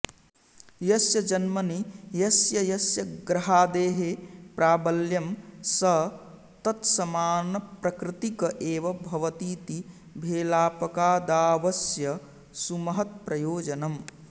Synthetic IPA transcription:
jɐsjɐd͡ʒɐnmɐnijɐsjɐjɐsjɐɡɾɐɦaːd̪eːɦepɾaːbɐljɐmsɐ | t̪ɐt̪sɐmaːnɐpɾɐkɾit̪ikɐʔeːʋɐbʱɐʋɐt̪iːt̪i | bʱeːlaːpɐkaːd̪aːʋɐsjɐ | sumɐɦɐt̪̚pɾɐjoːd͡ʒɐnɐm

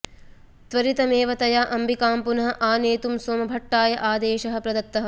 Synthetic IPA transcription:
t̪ʋɐɾit̪ɐmeːʋɐt̪ɐjaːʔɐmbʱikaːmpunɐɦɐ̆ʔaːneːt̪umsoːmɐbʱɐʈːaːjɐʔaːd̪eːʃɐɦɐ̆pɾɐd̪ɐt̪ːɐɦɐ̆

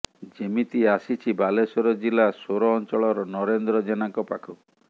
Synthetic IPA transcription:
d͡ʒemit̪iasit͡ʃʰibalesɔɾɔd͡ʒilasoɾɔːnt͡ʃɔɭɔɾɔnɔɾend̪ɾɔd͡ʒenakɔpakʰɔ

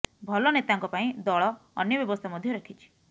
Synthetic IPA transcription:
bʱɔlɔnet̪aŋkɔpaĩd̪ɔɭɔ̰ːnjɔbjɔbɔst̪ʰamɔd̪ʱjɔɾɔkʰit͡ʃʰi̥

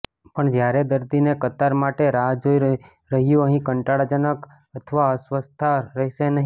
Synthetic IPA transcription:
pəɳd͡ʒjaɾed̪əɾd̪inekət̪aɾmaʈeɾad͡ʒoiɾ | ɾəɦjũəɦĩkəɳʈaɽad͡ʒənək | ət̪ʰəʋaəsʋəst̪ʰaɾəɦiʃenəɦĩ

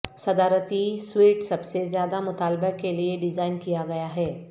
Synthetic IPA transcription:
sɐd̪aːɾət̪iswiːʈsɐbsezjaːd̪amʊt̪aːlbəkelieɖɪzaːɪnkijaɡɐjaɦɛː

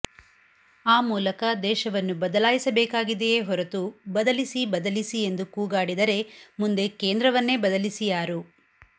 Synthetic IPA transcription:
aːmuːlɐkɐd̪ɛːʃɐʋɐnːubɐd̪ɐlaːjisɐbɛːkaːɡid̪eeːɦɔɾɐt̪ubɐd̪ɐlisibɐd̪ɐlisie̞nd̪ukuːɡaːɽid̪ɐɾe̞mund̪e̞keːnd̪ɾɐʋɐnːeːbɐd̪ɐlisijaːɾu

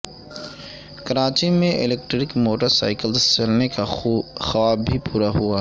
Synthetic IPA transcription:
kɐɾaːt͡ʃimẽʔɪ̰leːk̚ʈɾɪkmoːʈəɾsa̰ːɪkəlt͡ʃɐlnekaxɐʋaːbʱipuːɾaɦuaː

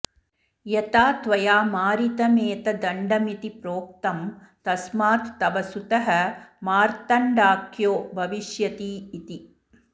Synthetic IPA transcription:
jɐt̪aːt̪ʋɐjaːmaːɾit̪ɐmeːt̪ɐd̪ɐɳɖɐmit̪ipɾoːk̚t̪ɐm | t̪ɐsmaːt̪ːɐʋɐsut̪ɐɦɐmaːɾt̪ɐɳɖaːkjoːbʱɐʋiʃjɐt̪iːt̪i

